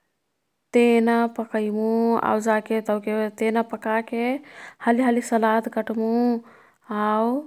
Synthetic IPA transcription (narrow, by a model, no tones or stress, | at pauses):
t̪enapəkəjmũa̰wd͡ʒaket̪əwket̪enapəkakehəliɦəlisəlat̪ɡəʈmu | aw